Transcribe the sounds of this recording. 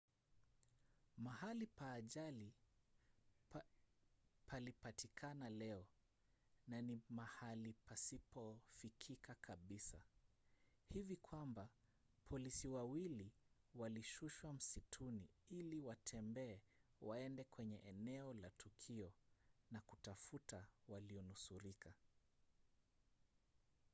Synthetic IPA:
mahalipaːʄali | pʰalipatʰikʰanalɛɔ | nanimahalipasipɔfikʰikʰakʰaɓisa | hivikʰwamba | pʰɔlisiwawiliwaliʃuʃwam̩sitʰuniiliwatʰɛmbɛːwaɛndɛkwɛɲɛʔɛnɛɔlatukʰiɔnakutafutawaliɔnusuɾikʰa

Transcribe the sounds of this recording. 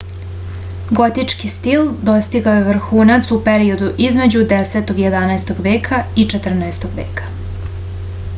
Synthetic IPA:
ɡo̞t̪it͡ʂkist̪ild̪o̞st̪iɡaojeʋr̩xuːnat̪supeɾio̞d̪uʔizme̞d͡ʑud̪eset̪o̞ɡjed̪anaest̪o̞ɡʋeːkʰait͡ʃet̪r̩naest̪o̞ɡʋḛːkḁ

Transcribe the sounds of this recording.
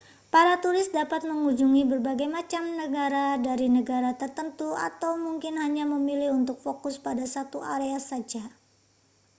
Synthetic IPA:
paɾat̪uɾɪst̪̚dapat̪̚məŋud͡ʒuŋibərbaɡajmat͡ʃamnəɡaɾadaɾinəɡaɾat̪ərt̪ənt̪ua̰t̪awmuŋkɪnɦaɲaməmilɪhunt̪ʊk̚fokʊspadasat̪uʔaɾeasad͡ʒa

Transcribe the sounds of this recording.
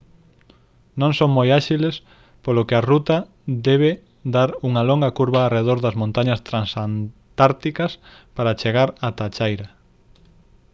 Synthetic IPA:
nõŋsoŋmojaʃiles | polokɪɐrut̪ɐ | d̪ɛβ̞e | d̪aɾuŋɐloŋɡɐkuɾβaːreðoɾðɐzmõnt̪aɲɐst̪ɾansant̪aɾt̪ikɐs | paɾat͡ʃeɣ̞aɾat̪at͡ʃajɾɐ

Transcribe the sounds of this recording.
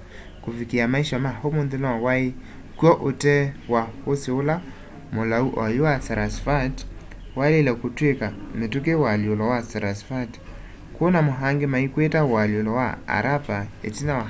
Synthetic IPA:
kofikiamaiʃamahomondelɔwawae | kwɔʔotɛwahoseola | molauʔɔjowasaɾasfat | walelɛkotwekametuk̬ewaliolɔwasaɾasfat | konamoɦaŋɡemaikwetawaljolɔwa̰a̰ɾʔapaḛtina

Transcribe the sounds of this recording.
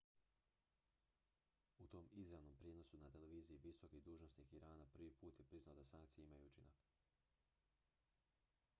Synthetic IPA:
ut̪o̞ːmizɾaʋno̞mpɾjeno̞sunat̪eleʋiːzijiʋiso̞kid̪uːʒnosikiɾaːnapr̩ʋipuːt̪je̞pɾiznaod̪asaŋkt̪sijeimajuut͡ʃina̰k

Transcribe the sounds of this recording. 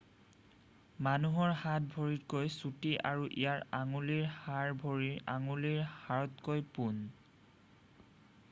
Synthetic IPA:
manuɦɔɹhat̚bʱoɹitkojsutiʔaɹuʔḭjaɹaŋuliɹhaɹbʱoɹiɹaŋuliɹhaɹɔtkojpun

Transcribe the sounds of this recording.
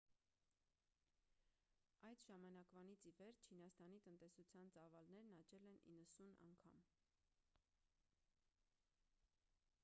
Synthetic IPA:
ɑjd̪ʒɑmɑnɑkvɑnit͡sʰivɛɾt͡ʃʰinɑst̪ɑnit̪ənt̪ɛsut͡sʰjɑnt͡sɑvɑlnɛɾnɑt͡ʃɛlɛnḭnːəsunɑ̰ŋkʰɑ̰m

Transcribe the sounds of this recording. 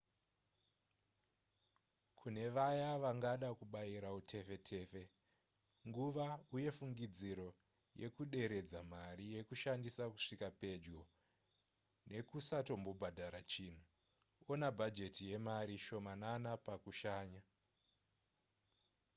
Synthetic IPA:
kʰune̞ʋajaʋaŋɡaɗakuɓajiɾautʰe̞fe̞tʰe̞ːfe̞ | ŋɡuʋauje̞fuŋɡid͡ziɾo̞ | je̞̰kuɗe̞ɾe̞d͡zamaɾije̞kuʃandisaku̥ʂikape̞d͡ʒɡo̞ | ne̞kusato̞mbo̞bʱadʱaɾat͡ʃiːn̤u | onabʱad͡ʒe̞tije̞maɾiʃo̞mananapakuʃaːɲa

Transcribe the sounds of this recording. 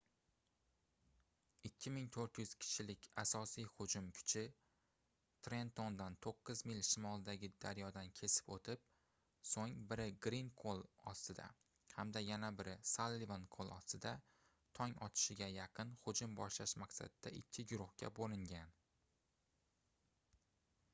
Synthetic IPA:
ɪkʲʰːɪmɪŋt̪ʰoɾt̪jʏz̥kʲʰɪ̥t͡ʃʰɪlɪkʲasɒsijhʊd͡ʒʊmkʲʰʊ̥t͡ʃʰɪ | t̪ʰɾe̞nt̪ond̪ant̪ʰoqːɨzmɪlʲʃɪmɒlˠd̪aɡʲɪd̪aɾjɒd̪ankʲʰe̞sɪ̥pot̪ʰɪp̚ | soŋbɪɾɪɡɾinkʰolˠɒst̪ɪd̪a̰ | hamd̪ajanabɪɾɪsalːivankʰolˠɒst̪ɪd̪a | t̪ʰɒŋɒt̪ʰɪ̥ʃɪɡʲajɑqʰɨnhʊd͡ʒʊmbɒʃlaʃmaksa̰d̪ɪd̪a̰ʔɪkʲʰːɪɡʊɾʊhkʲa̰bolɪŋɡʲan

